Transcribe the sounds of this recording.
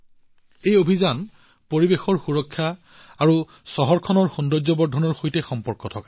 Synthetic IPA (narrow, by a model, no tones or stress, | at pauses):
ejobʱizan | poɹibexɔɹxuɹɔkʰːjaː | ɹu | sɔɦɔɹkʰɔnɔɹxundɔzɔbɔdʱɔnɔɹxojtɛxɔmpɔɹkɔtʰɔka